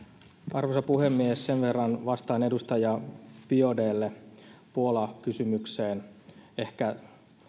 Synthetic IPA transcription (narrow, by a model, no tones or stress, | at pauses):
ɑrʋosɑpuhemːiessenʋe̞rːɑnʋɑst̪ɑːnedust̪ɑjɑpiodeːlːepuolɑkysymykse̞ːne̞hkæ